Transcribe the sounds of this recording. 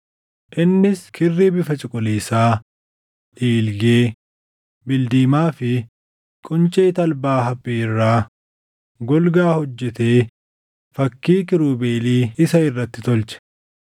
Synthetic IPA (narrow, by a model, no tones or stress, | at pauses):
ʔɪnːɪskʰɪrːiːbɪfɐt͡ʃʼɪkʼɔliːsaː | ʔiːlɡeː | bɪld̪iːmaːfɪ | kʼʊnt͡ʃʼeːt̪ɐlbaːɦɐpʼːirːaː | ɡɔlɡaːhɔd͡ʒːɛt̪e̞ː | fɐkːiːkɪɾuːbeːliːɪsɐɪrːɐt̪ːɪt̪ɔlt͡ʃɛ̥